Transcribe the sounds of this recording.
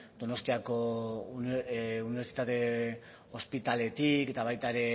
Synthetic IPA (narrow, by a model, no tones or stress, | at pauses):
d̪̥o̞no̞st̪iako̞ | uniβe̞ɾt͡si̥t̪at̪e̞ | o̞spit̪ale̞t̪ike̞t̪aβ̞ajt̪aeɾe̞